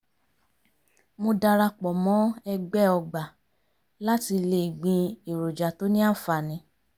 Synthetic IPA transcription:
mo˧da˧ɾa˧k͡pɔ˨mɔ̃˨˦ɛ˧ɡ͡bɛ˦ɔ˧ɡ͡ba˨ | la˦ti˧le˧˦i˨ɡ͡bĩ˧i˨ɾo˨d͡ʒa˨to˨˦nĩ˦a˦˨fa˨nĩ˧˦

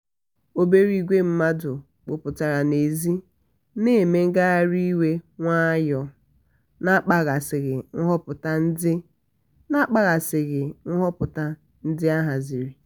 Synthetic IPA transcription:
o˨be˨ɾi˨ɡʷe˦m̩˦ma˦dʊ˨ | k͡pʊ˨pʊ˨ta˨ɾa˨ne˨zi˦ | ne˦˨me˦ŋ̩˦ɡa˦ɣa˦ɾi˦we˦ŋʷa˦jɔ˨ | na˦k͡pa˨ɣa˨sɪ˨ɣɪ˨ŋ̩˦ɦɔ˦pʊ˨ta˦n̩˦dɪ˦ | na˦k͡pa˨ɣa˨sɪ˨ɣɪ˨ŋ̩˦ɦɔ˦pʊ˨ta˦ | n̩˦dɪ˦a˦ɦa˨zi˨ɾi˨

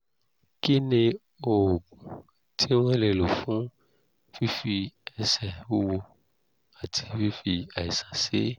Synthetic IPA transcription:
ki˦nẽ˨ | o˨ | tʰi˦wɛ̃˦le˨lo˨fũ˦ | fi˦fi˨ɛ˨sɛ˨wo˦wu˨ | a˨t̪ʰi˨˦fi˦fi˨a˨i˨sã˨sḛ˦

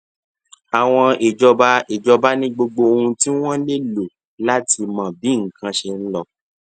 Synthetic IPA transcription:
a˨w̃ɔ̃˧e˨d͡ʒɔ˧ba˦e˨d͡ʒɔ˧ba˦nĩ˦ɡ͡bo˧ɡ͡bo˧o˧hũ˧ti˦w̃ɔ̃˦le˦lo˨ | la˦ti˧mã˨bĩ˨˦ŋ̩˨kʰã˧ʃe˧n̩˦lɔ˧

